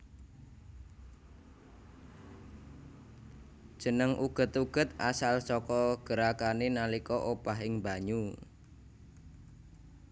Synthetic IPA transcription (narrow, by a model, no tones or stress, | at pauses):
d̥ʒ̥ə̤nəŋʔuɡ̥ə̤t̪uɡ̥ə̤t̪asalsɔkɔɡ̥əɾakanenalikɔʔopaɦɪŋbaɲu